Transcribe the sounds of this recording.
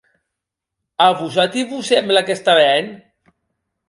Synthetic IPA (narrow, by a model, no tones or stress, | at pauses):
aβusat̪iβusemlakest̪aβɛn